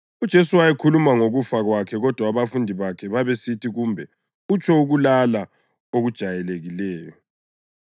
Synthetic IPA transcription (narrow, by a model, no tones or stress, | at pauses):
ud̥ʒ̥ʱesuwajɛkʰulumaŋoɣufaɣwakʰɛɣɔd̥ʱwaβafundʱiβakʰɛβaβesitʰiɣumbʱɛ | ut͡ʃʰʼɔuɣulala | oɣud̥ʒ̥ʱajɛleɣilɛːjɔ